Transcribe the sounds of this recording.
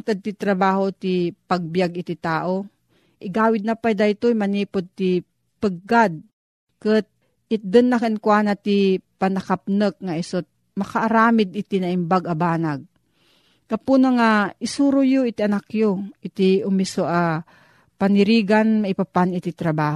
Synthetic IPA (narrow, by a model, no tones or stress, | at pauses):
ŋt̪ad̪̚t̪it̪ɾɐbaːɦot̪ipaɡ̚bijaɡɪt̪it̪aːʔo | ʔɪɡaːwɪd̪̚napajd̪ajt̪ojmɐniːpod̪̚t̪i | pɨɡ̚ːad̪̚ | kɨt̪̚ | ɪt̪̚d̪ɨnːakankwaːnat̪ipanɐkap̚nɨk̚ŋaʔisot̪̚ | mɐkaʔːɾaːmɪd̪̚ɪt̪inɐʔɪmbaɡɐbaːnaɡ̚ | kapunaŋaɪsuːɾojoʔit̪iʔɐnakjoʔɪt̪iʊmisoʔa | panɪɾiːɡanmaipapanit̪it̪ɾabaːho